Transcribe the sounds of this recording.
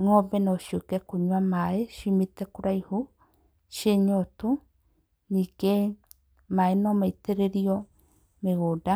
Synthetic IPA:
ŋobenoʃokekuɲwamaeʃimit̪ekuɾaihu | ʃeɲot̪u | nike | maenomait̪eɾeɾio | meɣoda

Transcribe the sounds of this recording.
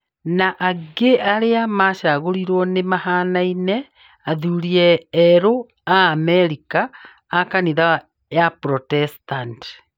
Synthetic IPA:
naʔaɡeʔaɾeamaʃaɣoɾiɾwɔnemahaːnainɛ | aðuɾiɛːɾo | aːmɛɾikaː | kaniða | japɾɔtɛstant

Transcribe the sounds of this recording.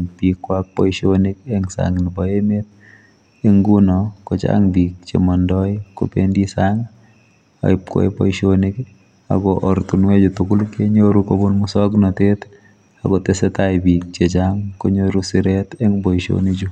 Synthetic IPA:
pikwak̚pɔjʃonik̚ɛŋsa̰ŋnibɔemet̪̚ | eŋɡunɔkɔt͡ʃa̰ŋbik̚t͡ʃḛmɔndɔjko̰pḛndisaŋ | a̰ɪp̚kɔ̰jpɔ̰ʃonik | a̰ɡɔʔɔɾtunwed͡ʒutukʊlkeɲoɾukobunmusɔknɔtet | akɔtesɛtabik̚t͡ʃet͡ʃaŋkoɲoɾusiɾetɛŋbɔiʃo̰nid͡ʒu

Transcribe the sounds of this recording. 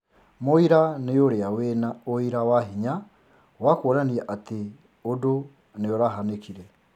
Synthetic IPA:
moiɾanejoɾeawenaoiɾawaɦiɲa | wakoːɾaniɛʔate | odo | neoɾaɦanekiɾɛ

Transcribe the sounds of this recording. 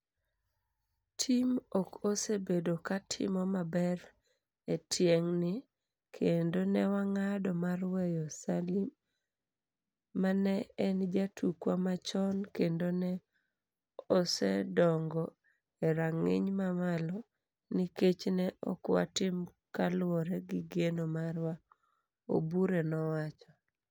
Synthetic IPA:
tʰimokosebedokatʰɪ̰mɔmabɛɾ | etʰjeŋnɪ | kʰendonɛwaŋadɔmarwɛjɔsalim | anɛɛnd͡ʒatʰukwamat͡ʃɔnkendonɛ | ɔsɛdɔŋɡɔ | eɾaŋɪ̰ɲmamalɔ | niket͡ʃnɛʔɔkwa̰tɪm | kalwoɾeɡiɡenomaɾwa | o̰buɾenɔwat͡ʃɔ

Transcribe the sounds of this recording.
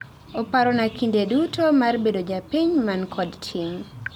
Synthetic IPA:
opaɾɔnakindedutomarbedod͡ʒapiɲmankʰɔdtʰiŋ

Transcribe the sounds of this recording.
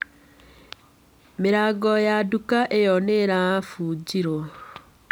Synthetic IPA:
meɾaɡɔjadukaʔejɔneɾafuːɟiɾɔ

